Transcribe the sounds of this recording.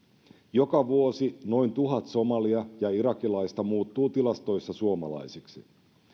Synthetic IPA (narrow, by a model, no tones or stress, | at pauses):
jo̞kɑʋuosino̞int̪uɦɑt̪so̞mɑliɑjɑiɾɑkilɑjst̪ɑmuːt̪ːuːt̪ilɑst̪o̞jsːɑsuomɑ̰lɑ̰jsiksḭ